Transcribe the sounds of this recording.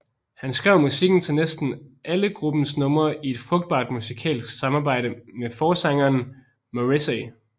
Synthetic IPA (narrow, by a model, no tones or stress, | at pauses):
hænsɡ̥ʁɛʊ̰musiɡ̥n̩t͡sʰe̝lnesd̥n̩ʔæləɡ̥ʁub̥n̩snɔ̽mɐie̝d̥fʁɔ̽ɡ̥̚d̥̚b̥ɑ̰̈ːd̥musikʰɛ̰ːlsɡ̥sɑ̈mɑ̈ːbɑ̈ɪ̰ɾəmefɒːsɑ̈ŋɐn | moʁisɛ